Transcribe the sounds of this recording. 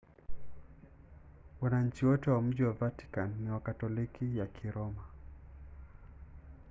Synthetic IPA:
wanaɲ̩t͡ʃiwɔtɛwam̩ʄiwavati̥kanːiwakatɔlikijakʰiɾɔma

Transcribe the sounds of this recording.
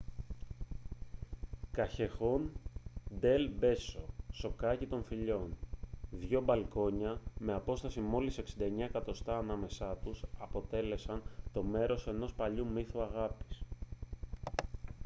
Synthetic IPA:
kɐçe̞xo̞nd̪e̞lbe̞so̞so̞kɐcit̪o̞ɱfiʎo̞nðʝo̞bɐlko̞ɲɐme̞ɐpo̞st̪ɐsimo̞lise̞ksind̪ɐeɲɐekɐt̪o̞st̪ɐːnɐme̞sɐt̪usɐpo̞t̪e̞le̞sɐnt̪o̞me̞ɾo̞se̞no̞spɐʎumiθuɐɣɐpi̥s

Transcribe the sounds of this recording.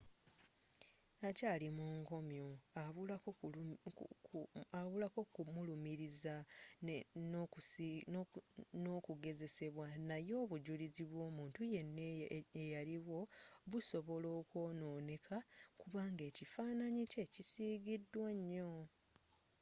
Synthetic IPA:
acalimuːŋko̞mjo̞aβu | aβulako̞kmulumiɾiza | no | noːkuɡe̞ze̞se̞βwanajo̞ːβuɟuliziβwo̞ːmuːntuje̞nːeejaliβwo̞βuso̞βo̞lo̞ːkwo̞ːno̞ːne̞kʰakuβaːŋɡe̞ːcifaːnaɲice̞cisiːɡidːwaɲːo̞

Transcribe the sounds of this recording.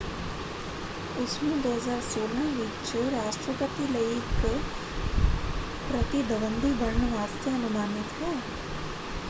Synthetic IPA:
ʊsmẽd̪oːɦəzaːɾsoːlãʋiːkt͡ʃəɾaːʃʈɾəpət̪ilɐik | pɾɐt̪id̪ʱəʋə̃nd̪ʱibɐɾɳəʋaːst̪ʰjəɐnʊmaːnɪt̪ɦɛː

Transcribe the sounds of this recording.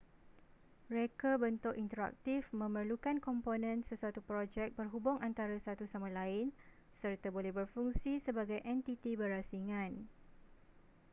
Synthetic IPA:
mɾekabənt̪ʊkint̪əɾa̰k̚t̪ifmə̃mərlukankɔmponɛ̃nsəsuat̪upɾod͡ʒɛk̚bərɦubʊŋant̪aɾasat̪usamãlaɪn | sərt̪abolɛhbərfuŋsisəbaɡajʔɛnt̪it̪ibərhasiŋãn

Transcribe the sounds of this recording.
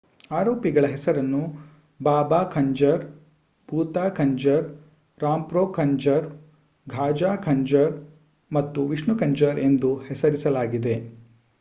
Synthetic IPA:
aːɾoːpiɡɐɭɐɦɛsɐɾɐnːu | baːbaːkʰɐɲd͡ʒɐɾ | puːt̪aːkʰɐɲd͡ʒɐɾ | ɾaːmpɾoːkʰɐɲd͡ʒɐɾ | ɡʱaːd͡ʒaːkʰɐɲd͡ʒɐɾ | mɐt̪ːuʋiʂɳukɐɲd͡ʒɐɾe̞nd̪uhɛsɐɾisɐlaːɡid̪e̞

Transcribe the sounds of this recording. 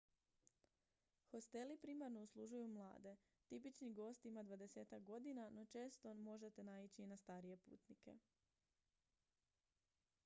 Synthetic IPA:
xo̞st̪e̞lipɾiːmaɾno̞uslˠuʒujumlˠa̰ːd̪e̞ | t̪ipit͡ʃniɡo̞st̪imad̪ʋad̪e̞se̞ːt̪ak̚ɡo̞d̪inano̞t͡ʃe̞ːst̪o̞mo̞ʒe̞t̪e̞nait͡ɕiːnast̪aːɾije̞pṵːt̪nike̞̰

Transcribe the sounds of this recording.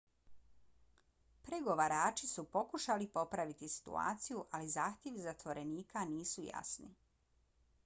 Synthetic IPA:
pɾeɡo̞ʋaɾaːt͡ʃisupo̞kuʃalipo̞pɾaʋit̪isi̥t̪ṵa̰ːt̪sijuʔalizaːxt̪ʲjeʋzat̪ʋo̞ɾʔe̞niːkaniːsuja̰snḭ

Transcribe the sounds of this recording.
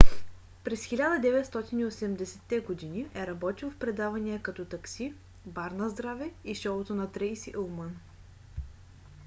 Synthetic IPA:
pɾɛsxilʲad̪əd̪ɛvɛt̪st̪ɔt̪iniosɛmd̪ɛsɛt̪ːɛɡod̪iniʔɛɾɐbɔt̪ilˠfpɾɛd̪avɐniəkɐt̪ɔt̪ɐksi | baɾnɐzd̪ɾavɛiʃɔlˠot̪onɐt̪ɾɛsiʔolˠmən

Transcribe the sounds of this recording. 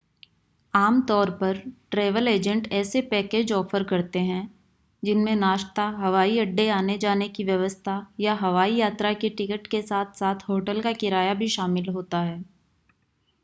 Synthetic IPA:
aːmt̪ɔːɾpɐɾʈɾeːʋəleːd͡ʒə̃ɳʈɛːsepɛːkeːd͡ʒɔːfəɾkɐɾt̪eɦɛ̃ | d͡ʒɪnmẽnaːʃt̪aɦɐʋaːiɐɖːeaːned͡ʒaːnekiʋjɐʋəst̪ʰajaɦɐʋaːijaːt̪ɾakeʈɪkəʈkesaːt̪ʰsaːt̪ʰɦoːʈəlkakɪɾaːjabʱiʃaːmɪlɦoːt̪aɦɛː

